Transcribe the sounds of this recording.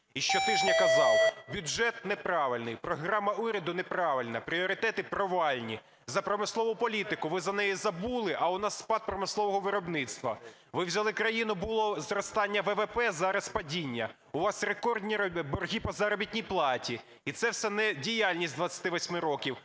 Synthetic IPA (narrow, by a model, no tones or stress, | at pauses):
iʃt͡ʃɔt̪ɪʒnʲɐkɐzɑwˠbʲʊd͡ʒɛt̪nepɾɑʋɪlʲnɪjpɾɔɦɾɑmːɐuɾʲɐd̪ʊnepɾɑʋɪlʲnɐpɾʲiɔɾɪt̪ɛt̪ɪpɾɔʋɑlʲnʲi | zɐpɾɔmɪslˠɔʋʊpɔlʲit̪ɪkʊʋɪzɐnɛjizɐbulˠɪʔɐʊnɑsːpɑd̪̚pɾɔmɪslˠɔʋɔɦɔʋɪɾɔbnɪt̪st̪ʋɐ̰ | ʋɪwzʲɐlˠɪkɾɐjinʊbʊlˠɔzɾɔst̪ɑnʲːɐʋɛʋɛpɛzɑɾɐspɐdʲinʲːɐ | ʊʋɑsrekɔrd̪ʲnʲibɔrɦʲipɐzɐɾɔbʲitʲnʲijplˠɑtʲi | it̪sɛwsɛnɛdʲijalʲnʲisʲtʲd̪ʋɐt̪t͡sʲɐt̪ɪʋɔsʲmɪɾɔkʲiw